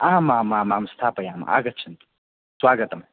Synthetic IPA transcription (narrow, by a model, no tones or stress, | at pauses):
aːmaːmãːmaːmst̪ʰaːpɐjaːm̰a̰ːɡɐt̪̚t͡ʃʰint̪u̥ | swaːɡɐt̪ɐm